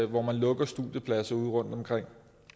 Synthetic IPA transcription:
ʋɒmænlɔ̽ɡ̥ɐsd̥uðˠjəpʰlæsɐuð̰ˠʁɔ̽n̰d̥ɒ̽mkʰʁeŋ̰

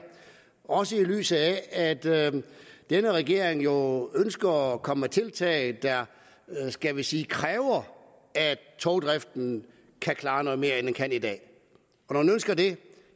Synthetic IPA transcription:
ɒ̽səily̰ːsð̩ˠææd̥ | d̥enəʁɛɡ̥e̝ɐ̰eŋjo̝ønsɡ̥ɐɒkʰɒ̽məæt͡sʰe̝lt͡sʰɛ̰ːɪd̥ɑ | sɡ̥æʋesiːkʰʁɛːʊɐ | æ̥t͡sʰɒʊd̥ʁɛfd̥n̩ | kʰækʰlɑ̈ːnɔ̽ðˠme̝ːɐenenkʰæn̰id̥ɛ̰ː | ɒnɒmænønsɡ̥ɐde̝

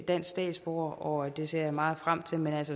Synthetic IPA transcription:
d̥æn̰ssd̥ɛ̰ːd̥sb̥o̝̰ːɐʔɒ̽d̥e̝se̝ɐ̰mɑ̈ːð̩ˠfʁam̰t͡sʰe̝lmenælsə

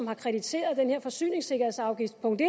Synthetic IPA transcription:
mhɑ̈kʰʁɛd̥it͡sʰe̝̰ːɐð̞̩ˠd̥enheɐ̰fɒ̽sy̰ːne̝ŋse̝ɡ̥ɐhe̝sɑ̈ʊɡ̥ifd̥pʰɔ̽ŋd̥e

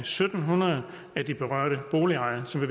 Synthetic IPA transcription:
sød̥n̩ɦunɐðˠ | æd̥ib̥e̝ʁɶɐ̰ɾ̥əb̥o̝ːliɑ̈ɪ̰ɐsɒ̽mʋe̝ʋ

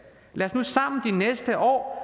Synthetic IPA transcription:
læːɐsnusɑ̈m̰nəd̥inesd̥əʔɒ̰ː

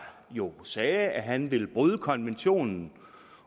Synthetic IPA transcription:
jo̝sɛːæɦænʋe̝lb̥ʁuð̞ˠəkʰɒ̽nʋenɕo̝̰ːnn̩

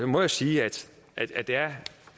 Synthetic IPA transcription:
mɒjasiːæd̥ | ʔæ̥æd̥eæɐ

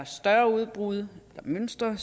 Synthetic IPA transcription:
sd̥ɶɐuð̞ˠb̥ʁuð̞ˠelɐmønsd̥ʁɐ

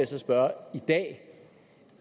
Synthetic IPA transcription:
sɒsb̥ɶɐid̥ɛ̰ː

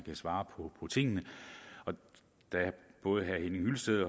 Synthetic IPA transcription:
kʰæsʋɑ̈ːpʰɒ̽pʰɒ̽t͡sʰe̝ŋ̰nəɒ̽ | d̥ææb̥ɔ̽ːð̞̩ˠɦæhenŋhylsd̥eð̰ˠɒ

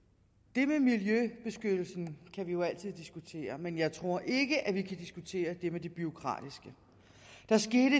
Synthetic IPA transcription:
d̥e̝memiljøb̥e̝sɡ̥ød̥l̩sn̩kʰæʋijo̝æl̰t͡sʰið̰ˠd̥isɡ̥ut͡sʰe̝̰ːɐmenjɑ̈ɪt͡sʰʁo̝ɐ̰ʔe̝ɡ̥əʔæʋikʰæd̥isɡ̥ut͡sʰe̝̰ːɐd̥e̝med̥eb̥yo̝kʰʁɑ̰̈ːd̥isɡ̥ə | d̥ɑ̈sɡ̥e̝ːɾə

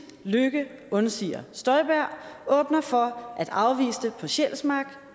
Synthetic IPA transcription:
løɡ̥əɔ̽nsḭːɐsd̥ɒ̽ɪb̥æɐ̰ɔ̽ːb̥nɐfɒ̽ʔæd̥ɑ̈ʊʋḭːsd̥əpʰɒ̽ɕel̰smɑ̈ɡ̥

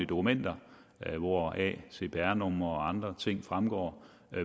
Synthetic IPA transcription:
id̥o̝kʰumen̰d̥ɐ | ʋɒɛ̰ːse̝b̥æɐnɔmɐɒɑ̈nd̥ʁɐt͡sʰe̝ŋ̰fʁamɡ̥ɒ̰ː

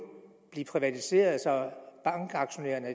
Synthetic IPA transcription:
b̥liːpʰʁiʋæt͡sʰise̝̰ːɐðˠsɒ̽b̥ɑ̈ŋɡ̥ɑ̈ɡ̥ɕo̝nḛːɐnə

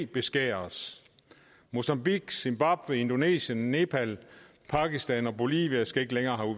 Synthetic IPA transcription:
b̥e̝sɡ̥ɛ̰ːɐs | mo̝sɑmb̥iɡ̥semb̥ɑ̈b̥ʋee̝nd̥o̝ne̝̰ːɕjənːe̝pʰæl | pʰɑ̈kisd̥ænɒ̽bo̝lḭʋiæsɡ̥æe̝ɡ̥əleŋɐːɦæu

